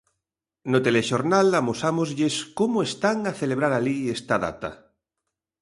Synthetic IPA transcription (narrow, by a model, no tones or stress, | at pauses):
not̪eleʃoɾnalamosamozʎeskomoest̪aŋaθeleβ̞ɾaɾaliest̪aða̰t̪a̰